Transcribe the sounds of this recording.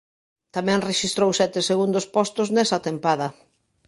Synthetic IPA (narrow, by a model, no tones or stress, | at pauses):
t̪amɛ̃ŋreʃist̪ɾowsɛt̪ɪseɣund̪ospɔst̪ʊznɛsat̪empaðɐ